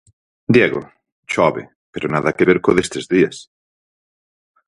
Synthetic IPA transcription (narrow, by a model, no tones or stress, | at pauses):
d̪jeɣo̰ | t͡ʃɔβḛ | peɾonaðɐkeβeɾkoðest̪ezðiɐs